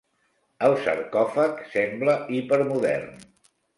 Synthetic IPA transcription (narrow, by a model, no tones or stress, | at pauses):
əlˠsə̰ɾkɔfəksɛmbləipəɾmuðɛ̰rn